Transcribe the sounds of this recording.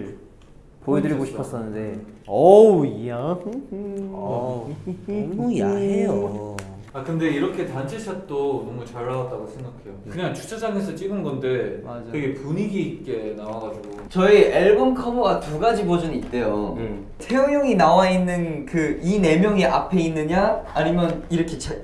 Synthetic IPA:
poedɯɾiɡoɕʰipʰʌs͈ʌnːɯnde | ejo | akɯnde̞iɾʌkʰe̞tant͡ɕʰet͡ɕʰak̚t͈onʌmut͡ɕaɭːawat͈̚aɡosʰeŋɡakʰe̞jokɯɲaŋt͡ɕʰu̥t͡ɕʰad͡ʑaŋe̞sʰʌt͡ɕ͈iɡɯnɡʌnde̞kɯɡe̞puɲiɡiːt̚k͈e̞nawaɡad͡ʑuɡot͡ɕʌieɭbonkʰʌmoɡatuɡad͡ʑimʌd͡ʑunit̚t͈e̞jo̰ | sʰejoŋjʌŋinawainːɯnkɯine̞mjʌŋiʔa̰pʰe̞inːɯɲaːɲimjʌniɾʌkʰet͡ɕʰa

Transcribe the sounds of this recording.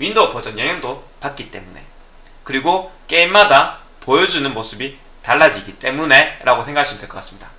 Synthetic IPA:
ɥindopʌd͡ʑʌnjʌɦjʌŋdo | pak̚k͈it͈e̞̰mune̞̰ | kɯɾiɡok͈e̞imːada | pojʌd͡ʑunɯnmos͈ʰɯbi | taɭːad͡ʑiɡit͈e̞mune̞ɾʔaɡosʰe̞ŋɡakʰaɕʰimondeɭk͈ʌk͈as͈ɯ̥mɲid̥a

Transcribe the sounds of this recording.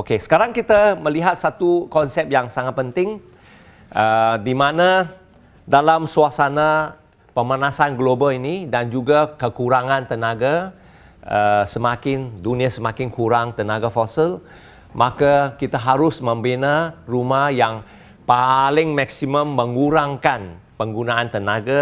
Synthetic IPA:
okesə̥kaɾaŋkit̪aməliɦat̪̚sat̪ukɔnsɛp̚jaŋsaŋat̪̚pənt̪ɪŋ | ʔədimana | dalamsuasana | pəmanasanɡlobalinidand͡ʒuɡakəkuɾaŋãnt̪ənaɡa | əsəmakɪnduniasəmakɪnkuɾaŋt̪ənaɡafɔsil | makakit̪aɦaɾʊsmə̃mbinarumahjaŋ | palɪŋmaksiməmːəŋɡuɾaŋkan | pəŋɡunaant̪ənaɡa

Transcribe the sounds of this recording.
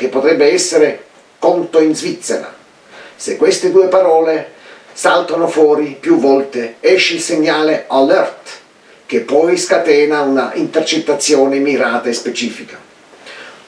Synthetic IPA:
k̟epːot̪ɾɛbːeɛsːeɾe | kɔnt̪oinzvit̪sːeɾa̰ | sekːwest̪ed̪uːepaɾɔːle | salt̪onofwɔːɾipjuvːɔlt̪eɛʃːilseɲːaːlealɛrt̪ | k̟epːɔjskat̪ɛːnaunaint̪ert͡ʃet̪ːat̪sːjɔːnemiɾaːt̪aespet͡ʃiːfika

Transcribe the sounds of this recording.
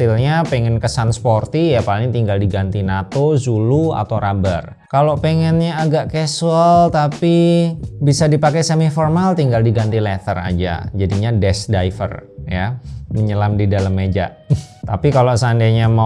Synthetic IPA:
ɪlɲapɛŋɛnkəsansport̪ijapalɪŋt̪iŋɡaldiɡant̪inat̪ozulua̰t̪owɾabə̰r | kalopeŋɛnɲaːɡaʔkɛsuəlt̪apibisadipakɛsəmiformalt̪iŋɡaldiɡant̪ilɛt̪əɾa̰d͡ʒa̰d͡ʒadiɲadɛsdaifə̰rjaməɲəlamdidaləmːed͡ʒa̰ʔt̪apikalosandaɲama

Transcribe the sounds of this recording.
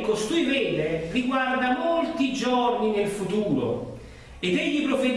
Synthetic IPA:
kost̪uːjvɛlːeriɡward̪amolt̪id͡ʒɔrninelfut̪uːɾo̰ | ed̪ɛʎːipɾoved̪

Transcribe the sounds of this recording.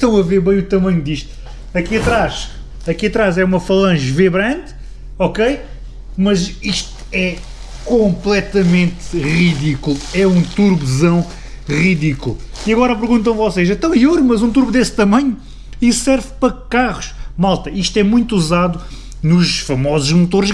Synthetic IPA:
ʃt̪ɐ̃w̃ɐveɾβɐ̃j̃ut̪ɐmɐ̃ɲud̪iʃt̪u̥ | ɐkiɐt̪ɾaʃ | ɐkiɐt̪ɾazɛumɐfɐlˠɐ̃ʒveβɾɐ̃nt̪ | ɔkej | mɐziʃt̪uɛ | kõmplˠɛt̪ɐmẽnt̪ʁiðikulˠɛũt̪uɾβzɐ̃w̃ | ʁiðikulˠ | iɐɣɔɾɐpɨɾɣũnt̪̬ɐ̃w̃vɔseʃẽnt̪ɐ̃w̃ioɾumɐzũt̪uɾβud̪est̪ɐmɐ̃ɲu | issɛɾvpɾɐkaʁuʃmalˠt̪ɐiʃt̪ɛmũj̃t̪uzaðu | nuʃfɐmɔzuʒmut̪oɾʃ

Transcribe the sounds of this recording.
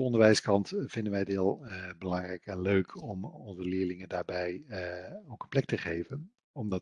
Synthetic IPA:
əɔndəɹʋɛjskɑntvɪndənʋɛjətɦɪːlˠbəlɑŋrɛjkɛnløɥkʰɔmɔnzəlɪːɹlɪŋəndaːɹbɛj | owkənplɛk̚təχejvən | ɔmdɑ

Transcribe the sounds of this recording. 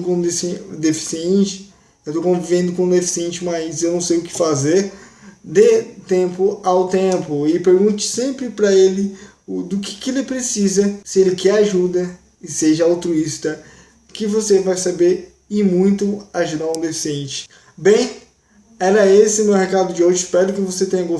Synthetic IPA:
kõd̪esd̪efi̥siẽt͡ʃɪ̥ | ewt̪okõvivẽd̪ʊkõd̪efi̥siẽnt͡ʃɪmajsewnɐ̃w̃sejʊkɪ̥fazeɾd̪et̪ẽpʊawt̪ẽpʊɪpeɾɡũt͡ʃɪ̥sẽmpɾɪpɾɐelɪ | ʊd̪ʊkɪ̥kelɪpɾesizɐsɪelɪkɛaʒud̪ɐ | ɪseʒɐawt̪ɾuist̪ɐ | kɪvosevajsabeɾ | ɪmũj̃t̪ʊaʒud̪aɾũd̪efi̥siẽnt͡ʃɪ̥ | bẽj̃ | ɛɾɐesɪmewhekad̪ʊd͡ʒioʒʊɪspɛɾʊkɪvoset̪ẽɲɐɡo

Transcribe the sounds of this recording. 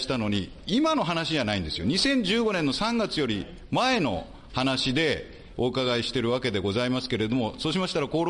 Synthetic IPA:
i̥t̪ano̞ɲ̟i | imano̞ɦanaɕid͡ʑanaĩnd̪e̞sɨjo̞ɲ̟isẽ̞ɲ̟d͡ʑɨːɡo̞nẽ̞nːosãŋɡat͡sɨjo̞ɾʲi | mae̞no̞̰ | hanaɕid̪e̞ | okaɡaiɕi̥t̪e̞ɾɯ̟βake̞d̪e̞ɡo̞zaimas̬ɨ̥ke̞ɾe̞d̪o̞moso̞ːɕ̬imaɕi̥t̪aɾako̞ːɾ

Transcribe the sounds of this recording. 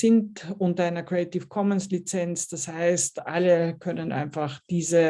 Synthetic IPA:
sɪntʔʊntɐaɪnɐkʁeetifkʰɔmənslit͡sɛnt͡sd̥ashaɪstʔaləkʰœnənʔa̰ɪnfaχd̥iːzə

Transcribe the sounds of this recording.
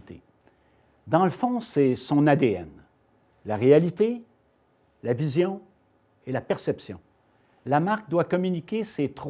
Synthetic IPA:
t̪ḛ | d̪ɑ̃ləfɔ̃sɛsɔ̃nad̪eɛ̰n | laʁealit̪e | lavizjɔ̃ | elapɛʁsɛpsjɔ̃ | lamaʁk̚d̪wakɔmynikʲeset̪χ

